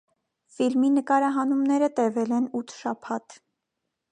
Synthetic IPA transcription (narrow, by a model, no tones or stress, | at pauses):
filminəkɑɾɑɦɑnumnɛɾət̪ɛvɛlɛnut̪ʰʃɑpʰɑt̪